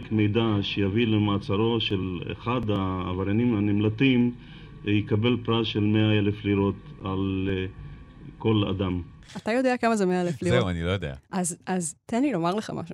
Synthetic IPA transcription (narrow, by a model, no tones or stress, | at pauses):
kmejd̪aʃejavilemaːt͡saɾo̞ʃelḛχad̪aːvaɾjanimanimlat̪im | jekabelpɾasʃelmeaelefliɾo̞t̪al | ko̞la̰d̪am | atajo̞d̪eakamazemeaeleflianilojod̪ea̰ʔazazt̪enilo̞maʁleχa̰mʔa̰ʃu